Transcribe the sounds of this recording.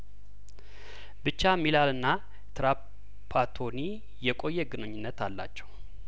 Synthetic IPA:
bɨt͡ʃːamilalɨnːa | t̪ʰɾa | pʰat̪ʰo̞ni | jɛkʼo̞jːɛɡɨnɨɲːɪnːət̪ʰalːa̰t͡ʃːɛw

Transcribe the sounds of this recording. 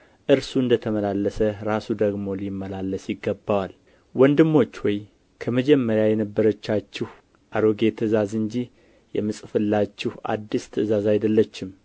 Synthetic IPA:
ʔɨɾsuɨnd̪ət̪ʰəməlalːəsəɾasud̪əɡmo̞limːəlalːəsjɪɡːəbːawal | wɔnd̪ɨmːo̞t͡ʃːwɔj | kʰəməd͡ʒɛmːəɾjajɛnəbːəɾət͡ʃːat͡ʃːɪh | ʔaɾoɡe̞t̪ʰəzazɨɲd͡ʒi | jɛmɨsʼfɨlːat͡ʃːɪha̰d̪ːist̪ʰəzazajd̪əlːət͡ʃːɪm

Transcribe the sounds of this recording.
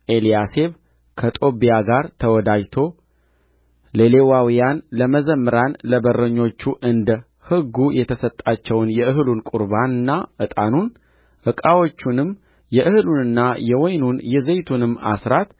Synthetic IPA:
ʔelijase̞β | kʰət̪ʼo̞bijaɡaɾt̪ʰəwɔd̪ad͡ʒt̪ʰo̞ | lelewawijanləməzəmːɨɾanləbərːəɲːo̞t͡ʃːuʔɨnd̪ | hɨɡːujɛt̪ʰəsət̪ʼːat͡ʃːɛwnjɛɨɦlunkʼuɾbanɨnːaʔɨt̪ʼanun | hɨkʼawo̞t͡ʃːunɨmː | jɛʔɨhɨlunɨnːajɛwɔjnunjɛzejt̪ʰunɨmːa̰sɾat̪

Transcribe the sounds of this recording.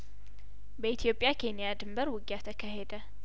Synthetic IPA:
bəit̪ʰijo̞pʼjakʰe̞nijad̪ɨmbəɾwɨɡjat̪ʰəkʰaɦed̪ə

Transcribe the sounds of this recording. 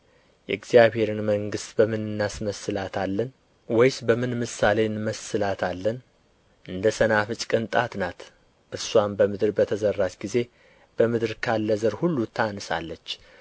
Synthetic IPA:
jɛ̰ɨɡzijaβhe̞ɾɨnməŋɡɨst̪bəmɨnɨnːasməsɨlat̪ʰalːən | wɔjsbəmɨnmɨsːalenməsːɨlat̪ʰalːən | ʔɨnd̪əsənafɨt͡ʃʼkʼɨnt̪ʼat̪nat̪ | ʔɨɾswambəmɨd̪ɾbət̪ʰəzərːat͡ʃɡize̞ | b̥əmɨd̪ɨɾkʰalːəzəɾhulːut̪ʰanɨsa̰lːət͡ʃː

